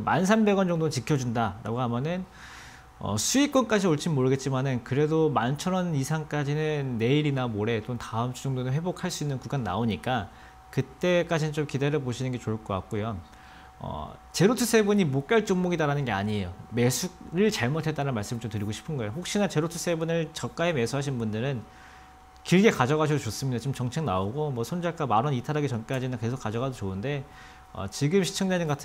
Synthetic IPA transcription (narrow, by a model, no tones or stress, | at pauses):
mans̬ʰambe̞ɡʌnd͡ʑʌŋdont͡ɕikʰjʌd͡ʑundaɾa̰ɡoɦamjʌnɯn | ʌ̰sʰuik͈wʌnk͈ad͡ʑʰioɭt͡ɕ͈ʰimmoɾɯɡe̞t̚t͡ɕ͈imanɯnkɯɾe̞domant͡ɕʰʌɾʌnisʰaŋk͈ad͡ʑinɯnːe̞iɾinamoɾe̞t͡ɕ͈omtaɯmt͡ɕʰud͡ʑʌŋdonɯnɸwe̞bokʰaɭs͈uinːɯnkuɡanːa̰oɲik͈a | kɯt͈e̞k͈ad͡ʑinɯnt͡ɕomkidaɾʌpoɕʰinɯnɡe̞t͡ɕoɭk͈ʌk͈a̰k̚k͈ojo | ʌ̰t͡ɕe̞ɾotʰus͈ʰe̞buɲimok͈jʌɭt͡ɕ͈oŋmoɡidaɾanɯnɡe̞aɲiejome̞sʰuɾɯɭt͡ɕaɭmotʰe̞t͈aɾanmaɭs͈ɯmɯɭt͡ɕomtɯɾiɡoɕʰi̥pʰɯnɡʌejoɸok̚ɕ͈inat͡ɕe̞ɾotʰu̥s͈ʰe̞bunɯɭt͡ɕʌk͈aeme̞sʰuɦaɕʰinnbundɯɾɯn | kiɭɡe̞kad͡ʑʌɣaɕʰidot͡ɕos͈ɯmɲidat͡ɕomt͡ɕʌŋt͡ɕʰeŋnaoɡomwʌsʰond͡ʑaɭk͈amaɾʌnitʰaɾaɡet͡ɕʌnk͈ad͡ʑinɯnke̞sʰok͈ad͡ʑʌɡadot͡ɕoɯnde̞ | ʌ̰t͡ɕiɡɯmɕʰi̥t͡ɕʰʌŋd͡ʑaɲiŋɡatʰ